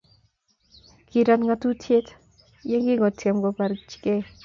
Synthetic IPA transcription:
ki˨ɾa˨tŋa˧tu˦tʰje˦t | je˦ŋɡi˦ŋɔ˨tʰje˨mɡɔ˨pa˨ɾt͡ʃi̥˨ke˦

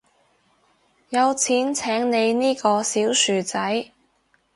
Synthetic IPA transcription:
jɐ˨˧wt͡sʰiː˨˥nt͡sʰɛː˨˥ŋne˨˧jniː˥kɔː˧siː˨˥wsyː˨t͡sɐ˨˥j

